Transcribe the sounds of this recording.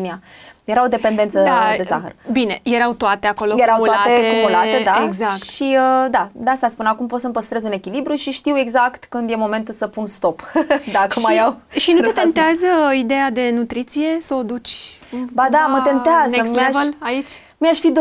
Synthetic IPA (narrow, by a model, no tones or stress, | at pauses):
niajeɾaod̪e̞pe̞nd̪ent̪səd̪ad̪e̞saxə̰rbine̞je̞ɾawt̪oat̪e̞ako̞lojeɾawulatt̪eekumulat̪ed̪aeɡzakt̪ʃiəd̪ad̪ast̪aspunakumpot̪səmpəst̪ɾezune̞kʲilibɾuʃiʃt̪iwe̞ɡzakt̪kɨnd̪je̞mo̞me̞nt̪usəpunst̪o̞pd̪akəmajawʃinut̪et̪ent̪eazəid̪e̞jad̪e̞nut̪ɾit̪sije̞səod̪ut͡ʃʲ | bad̪amət̪ent̪eazeəksmaʃvəlait͡ʃʲ | miaʃfid̪